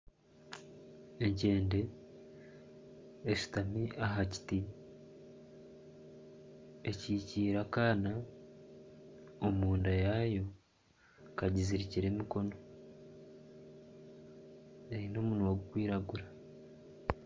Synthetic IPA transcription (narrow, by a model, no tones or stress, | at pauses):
e̞ɲɟe̞ːnde̞ | ʃu̥tamiʔaɦaci̥ti | eciːciːɾakaːna | omuːndajaːjo̞ | kaɟiziɾiciɾe̞miko̞no̞ | eɾino̞ːmunuwaɡukwiːɾaɡuɾḁ